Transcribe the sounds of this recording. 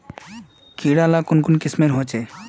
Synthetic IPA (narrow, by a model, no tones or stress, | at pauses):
kiɽalakonkonkismeɾɦot͡ɕʰe